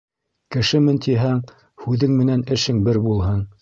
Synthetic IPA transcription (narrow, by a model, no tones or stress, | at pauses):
kɘ̆ʃɘmɘnt̪ʰiɦæŋ | hʉðɘŋmɘ̆nænɘ̆ʃɘŋbɘɾbulˠɦɤɴ